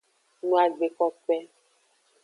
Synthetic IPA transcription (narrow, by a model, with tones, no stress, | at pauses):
nũ˨a˨ɡ͡be˨kɔ˨k͡pɛ˦